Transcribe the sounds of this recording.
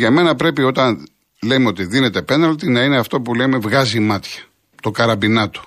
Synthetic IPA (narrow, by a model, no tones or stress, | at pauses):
ʝɐme̞nɐpɾe̞pio̞t̪ɐn | lemeot̪iðine̞t̪epe̞nɐlt̪inɐine̞ɐft̪o̞pule̞me̞vɣɐzimɐt̪çɐ̥ | t̪o̞kɐɾɐbinɐt̪o̥